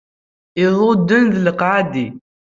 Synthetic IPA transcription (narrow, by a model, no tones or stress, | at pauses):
ɪðˤod̪ːənðləqʕad̪i